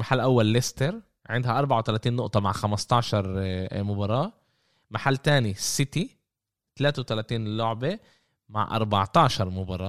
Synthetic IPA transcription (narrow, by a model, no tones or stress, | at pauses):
maħalːʔawːalːɪst̪eɾ | ʕɪnd̪haʔɑɾˤbaʕwt̪alaːt̪iːnːʊʔt̪ˤɑmaʕxamɑst̪ˤɑʕʃɑɾˤmʊbɑɾˤɑːʔ | maħalːt̪aːnisɪt̪i | t̪alaːt̪ewt̪alaːt̪iːnlʊʕbe | ma̰ʕʔɑ̰ɾˤbɑʕt̪ɑʕʃɑɾˤmʊbɑɾˤɑː